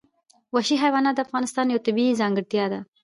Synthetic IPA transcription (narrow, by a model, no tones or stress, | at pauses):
waʃiɦajwɑnɑt̪̚d̪əafɣɑnɪst̪ɑnjawt̪ɪbizɑŋɡɪɽt̪jɑd̪a